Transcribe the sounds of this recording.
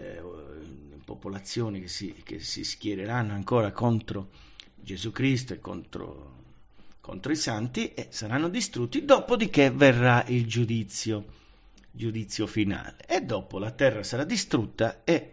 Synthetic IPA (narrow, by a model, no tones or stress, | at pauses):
popolat̪sːjɔːnikesikḛsḭsk̟jɛɾeɾanːoaŋkɔːɾakont̪ɾo | d͡ʒezukɾis̬t̪oekːo̰nt̪ɾo̰ | ko̰nt̪ɾoisant̪iʔesaɾanːod̪ist̪ɾut̪ːid̪ɔpod̪ik̟everːaild͡ʒud̪it̪sːjo | d͡ʒud̪it̪sːjofina̰ːleʔːd̪ːɔpolat̪ɛrːasaɾad̪ːist̪ɾut̪ːae